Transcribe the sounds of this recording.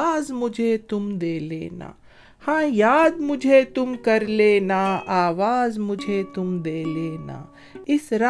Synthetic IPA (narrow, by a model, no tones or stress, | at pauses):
zmʊd͡ʒʱet̪ʊmd̪eːlḛːna̰ː | hãːjaːd̪mʊd͡ʒʱet̪ʊmkɐɾleːnaaːʋaːzmʊd͡ʒʱet̪ʊmd̪eːleːna̰ː | ɪsɾa